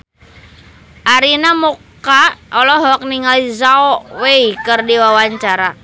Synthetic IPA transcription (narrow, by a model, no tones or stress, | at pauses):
ʔaɾinamɔk | aɔlɔɦɔk̚niŋalizaɔweikərdiwawaɲt͡ʃaɾa